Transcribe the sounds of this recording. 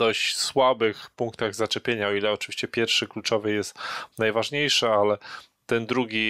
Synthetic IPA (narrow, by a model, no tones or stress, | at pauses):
d̪ɔɕt͡ɕswabɘxpuŋkt̪aɣzat͡ʂɛpʲjeɲaɔilɛɔt͡ʂɨvʲiɕt͡ɕɛpʲjɛɾfʂɘklut͡ʂɔvɘjɛst̪najvaʐɲejʂɘalɛ | t̪ɛnd̪ɾuɡʲi